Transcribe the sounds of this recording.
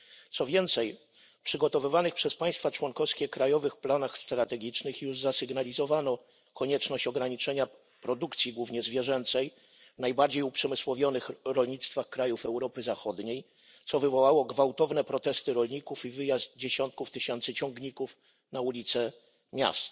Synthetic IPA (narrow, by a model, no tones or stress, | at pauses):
t̪sɔvʲjɛnt̪sɛj | pʂɘɡɔt̪ɔvɘvanɘxpʂɛspaj̃st̪fat͡ʂwɔŋkɔfskʲɛkɾajɔvɘxplanaxst̪ɾat̪ɛɡʲit͡ʂnɘxjuʐzasɘɡnalʲizɔvanɔ | kɔɲɛt͡ʂnɔɕt͡ɕɔɡɾaɲit͡ʂɛɲa | pɾɔd̪ukt̪sʲiɡwuvɲɛzvʲjɛʐɛnt̪sɛj | najbaɾd͡ʑejupʂɛmɘswɔvʲjɔnɘxɾɔlɲit̪st̪faxkɾajufɛwɾɔpɘzaxɔd̪ɲej | t̪sɔvɘvɔwawɔɡvawt̪ɔvnɛpɾɔt̪ɛst̪ɘɾɔlɲikufivɘjazd̪̚d͡ʑeɕɔnt̪̚kuft̪ɘɕɛnt̪sɘt͡ɕɔŋɡɲikuf | naulʲit̪sɛ | mʲja̰st̪